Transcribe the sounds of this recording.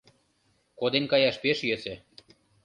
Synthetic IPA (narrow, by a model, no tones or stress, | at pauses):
kod̪enʲkɑjɑʃpeʃjøsĕ